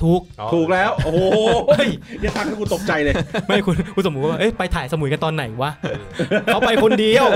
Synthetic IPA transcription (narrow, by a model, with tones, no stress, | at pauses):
t̪ʰuː˨˩k̚t̪ʰuː˨˩k̚lɛː˦˥wo˧hoː˨˧˩ə˦˥˩jni˥˩t̪a˦˥k̪ʰːa˥˩ku˧nt̪o˨˩p̚t͡ɕa˧jlɤː˧ma˥˩jkʰu˧nkʰu˧nso˩˦kːaː˧˩ʔe˦˥˩jpa˧jt̪ʰaː˨˩˦jsa˧mu˨˩˦jka˧nt̪ɔː˧nːa˨˩˦jwa˦˥ | ka˦˥wpa˧jʰo˧ndi˧əw